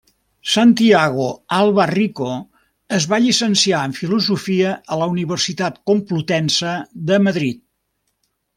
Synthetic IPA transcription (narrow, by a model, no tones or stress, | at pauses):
sant̪iaɣoalˠβəriko | əzβaʎisənsiaəɱfiluzufiəʔələuniβ̞ərsit̪at̪kumplut̪ɛnsəd̪əməðɾit̪̚